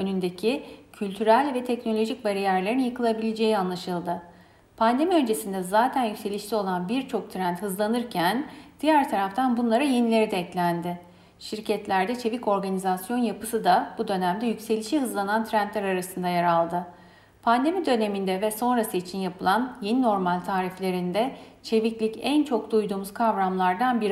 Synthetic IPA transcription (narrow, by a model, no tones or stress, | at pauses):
ø̞nynd̪ecʰicʰylʲt̪ʰyɾælʲvɛt̪ʰɛcno̞lʲo̞ʒic̚baɾijæɾlʲeɾinjɯkɯlˠabilʲed͡ʒe̞jianlˠaʃɯlˠd̪ɯ | pʰand̪e̞miø̞nd͡ʒe̞sind̪ɛzaːt̪ʰænjycʲse̞lʲiʃlʲio̞lˠanbiɾt͡ʃʰo̞k̚t̪ʰɾænt̪hɯzlˠanɯɾcʰænd̪̥ijæɾt̪ʰaɾaft̪ʰanbunlˠaɾɯje̞nilʲe̞ɾid̪ɛclʲænd̪ɪ | ʃiɾcʰɛt̪lʲæɾd̪ɛt͡ʃʰe̞vico̞ɾɡanizasjo̞njapɯ̥sɯd̪abud̪ø̞næmd̪ɛjycʲse̞lʲiʃiɦɯzlˠanant̪ʰɾænt̪lʲæɾaɾasɯnd̪ajaɾalˠd̪ɯ | pʰand̪e̞mid̪ø̞ne̞mind̪ɛvɛso̞nɾasɯit͡ʃʰinjapʰɯlˠanje̞nino̞ɾmalʲt̪ʰaːɾiflʲe̞ɾind̪ɛt͡ʃʰe̞viclʲicɛnt͡ʃʰo̞k̚d̪ujd̪uːmuz̥kʰavɾamlˠaɾd̪anbiɾ